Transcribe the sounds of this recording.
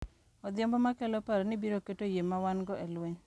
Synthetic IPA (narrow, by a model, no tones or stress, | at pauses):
ɔd̪ɪɔmbɔmakɛlɔpaɾnibiɾoketojemawanɡɔʔelweɲ